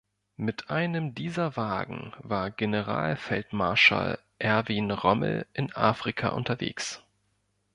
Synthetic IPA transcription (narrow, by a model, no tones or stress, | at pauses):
mɪtʰʔaɪnəmdiːzɐvaːɡŋ̩vaːɐɡenəʁa̰ːlfɛltmaɐʃa̰l | ʔɛɐviːnʁɔml̩ʔɪnʔa̰ːfʁ̥ikʰa̰ʔʊ̰ntɐvḛːks